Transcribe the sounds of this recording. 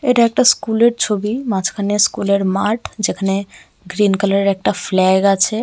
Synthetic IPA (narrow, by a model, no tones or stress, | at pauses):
eʈaek̚ʈaskuleʈt͡ʃʰobimãt͡ʃʰkʰaneskuleɽmaɾʈʰd͡ʒekʰne | ɡɾinkələɾɾek̚ʈapʰlɛeɡat͡ʃʰɛ